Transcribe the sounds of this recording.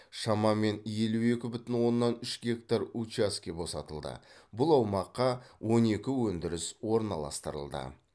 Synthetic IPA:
ʃɑmɑme̞nje̞lue̞kʲɪbʏt̪ɪnwo̞nːɑnʏʃɡʲe̞kt̪arut͡ʃaskʲebo̞sɑt̪əlˠd̪ə̰bʊlˠɑwmɑqːɑwʔo̞ne̞kʲɪwɵnd̪ɪɾɪswo̞ɾnɑ̰lˠɑ̰st̪əɾə̰lˠd̪ə̰

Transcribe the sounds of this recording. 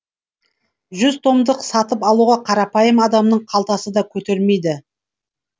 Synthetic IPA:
ʒʏzt̪ʰo̞md̪əqsɑt̪əpɑlˠuʁɑqʰɑɾɑpɑjəmɑd̪ɑmnəɴqʰɑlˠt̪ɑsəd̪ɑkʲʰɵt̪e̞ɾme̞jd̪ɪ

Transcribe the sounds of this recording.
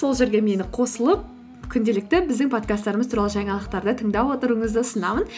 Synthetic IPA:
so̞lˠʒe̞ɾɡʲe̞me̞nɪqʰo̞səlˠəp̚ | kʲʰʏnd̪e̞lɪk̚t̪ɪbɪzd̪ɪŋpʰo̞t̪kast̪ːɑɾəməzt̪ʰuɾɑlˠəʒɑɴɑlˠəq̚t̪ɑɾd̪ət̪ʰəɴd̪ɑpwo̞t̪əɾəɴəzd̪əsənɑmən

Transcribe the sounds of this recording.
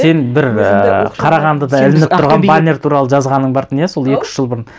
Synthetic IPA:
se̞nbɪɾqʰɑɾɑʁɑnd̪əd̪ɑɪlɪnɪpt̪ʊɾʁɑnbanʲeɾt̪ʰuɾɑlˠəʒɑzʁɑnːəɴbɑɾt̪ənjeso̞lˠje̞kʲɪ̥ʃʒ̥əlˠbʊɾən

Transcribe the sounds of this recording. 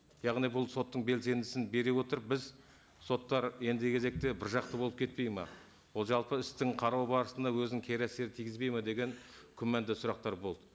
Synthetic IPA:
jɑʁnijbʊlˠso̞t̪ːəɴbe̞lse̞nd̪ɪsɪnbe̞ɾewo̞t̪əɾbɪz | so̞t̪ːɑɾje̞nd̪ɪkʲʰe̞ze̞k̚t̪ebɪɾʒɑq̚t̪əbo̞lˠəp̚kʲʰe̞t̪̚pe̞jmɑ̰ | wolˠʒɑlˠpəɪst̪ɪŋqʰɑɾɑwbɑɾəsənd̪ɑwɵznɪŋkʲʰe̞ɾæse̞ɾɪt̪ʰijɡʲɪzbe̞jmɑd̪e̞ɡʲe̞ŋkʲʰʏmænd̪ɪsʊɾɑqt̪ɑɾbo̞lˠd̪ə

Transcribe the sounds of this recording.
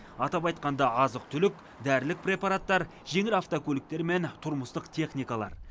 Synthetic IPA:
ɑt̪ɑpɑjt̪̚qɑnd̪ɑɑzəq̚t̪ʰʏlɪk | d̪æɾlɪk̚prʲe̞paɾat̪ːɑɾ | ʒe̞ŋɪlaft̪okʰʲɵlɪk̚t̪e̞ɾme̞nt̪ʰʊɾməst̪əqt̪ʰe̞χnijkalˠɑ̰ɾ

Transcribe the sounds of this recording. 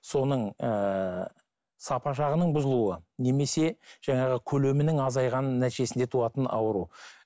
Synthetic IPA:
so̞nəɴə | sɑpɑʃɑʁənəɴbʊzəlˠuəne̞me̞se̞ʒ̥ɑɴɑʁəkʲʰɵle̞mɪnɪŋɑzɑjʁɑnːæt̪iʒe̞sɪnd̪e̞t̪ʰuɑt̪ənɑ̰wəɾu

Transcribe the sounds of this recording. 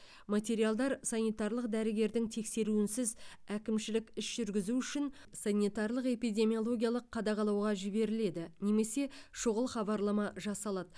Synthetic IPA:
mat̪ʲe̞ɾijalˠd̪ɑɾsɑnijt̪ɑrlˠəq̚d̪æɾɪɡʲe̞ɾd̪ɪŋt̪ʰe̞kse̞ɾuɪnsɪzækʲɪmʃɪlɪkʲɪsʒ̥ʏɾɡʲɪzuʏʃɪn | sɑnʲijt̪ɑɾlˠəqe̞pijd̪ʲe̞mʲijo̞lˠo̞ɡʲijalˠəqʰːɑd̪ɑʁɑlˠɑwʁɑʒɪbe̞ɾɪle̞d̪ɪne̞me̞se̞ʃʊʁəlˠχɑbɑɾlˠɑmɑʒɑsɑlˠɑd̪ə

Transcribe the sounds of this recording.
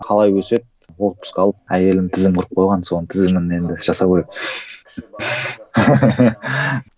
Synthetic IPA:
qʰɑlˠɑjwɵse̞t̪̚ | wo̞lˠt̪̚pʊ̥skʲɑlˠəp̚æje̞lɪnt̪ʰɪzɪmqʰʊɾəp̚qʰo̞jʁɑnso̞nət̪ʰɪzɪmɪne̞nd̪ɪʒ̥ɑsɑpkʲeek̪

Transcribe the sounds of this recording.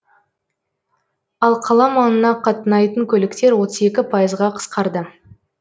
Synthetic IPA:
ɑlˠqʰɑlˠɑmɑnənɑqʰɑt̪ənɑjt̪əŋkʲʰɵlɪkt̪e̞ɾwo̞t̪əze̞kʲɪpʰɑjəzʁɑqʰə̥sqɑɾd̪ə

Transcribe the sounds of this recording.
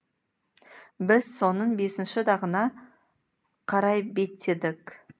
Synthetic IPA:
bɪz̥so̞nəɴbe̞sɪnʃɪd̪ɑʁənɑ | qʰɑɾɑjbe̞t̪ʰːed̪ɪk

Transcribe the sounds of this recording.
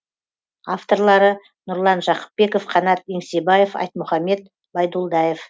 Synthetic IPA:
aft̪o̞ɾlˠɑɾə | nʊɾlˠɑnʒɑqə̥p̚ːbe̞kofqʰɑnɑt̪̚eŋsebɑjefɑ̰jt̪mʊχɑme̞t̪ | bɑjd̪ulˠd̪ɑjef

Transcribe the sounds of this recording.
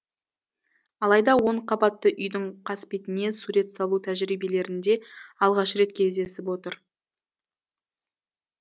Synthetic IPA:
ɑlˠɑjd̪ɑwo̞ɴqʰɑbɑt̪ːəʔʏjd̪ɪɴqʰɑspet̪ɪne̞suɾe̞t̪sɑlˠut̪ʰæʒɾijbe̞le̞ɾɪnd̪e̞ɑlˠʁɑʃɾe̞t̪̚kʲʰe̞zd̪e̞sɪp̬wo̞t̪əɾ

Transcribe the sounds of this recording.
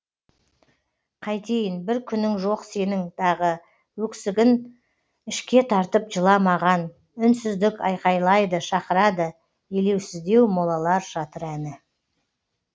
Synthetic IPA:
qʰɑjt̪ʰe̞jɪnbɪɾkʲʰʏnːɪŋʒo̞qse̞nɪŋd̪ʰɑʁə | wɵksɪɡʲɪn | ɪʃkʲe̞t̪ʰɑɾt̪əp̚ʒəlˠɑmɑʁɑn | ʏnsɪzd̪ɪkɑ̰jqɑjlˠɑjd̪əʃɑqəɾɑd̪ə | ele̞wsɪzd̪e̞wmolˠɑlˠɑɾʒɑt̪əɾænɪ

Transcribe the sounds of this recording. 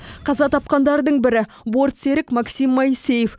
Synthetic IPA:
qʰɑzɑt̪ʰɑp̚qɑnd̪ɑɾd̪əɴbɪɾɪ | bo̞ɾt̪se̞ɾɪkmɑksimːɑse̞jef

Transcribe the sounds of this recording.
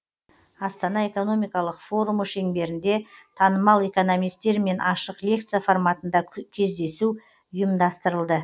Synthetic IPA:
ɑst̪ɑnɑe̞ko̞no̞mijkɑlˠəqfo̞ɾuməʃe̞ŋbe̞ɾɪnd̪e̞t̪ʰɑnəmɑlˠe̞ko̞no̞mijst̪e̞ɾme̞nʔɑʃəqlʲe̞k̚t̪sɨjafo̞rmɑt̪ənd̪ɑkʲʰe̞zd̪e̞su | ʊjəmd̪ɑst̪əɾəlˠd̪ə

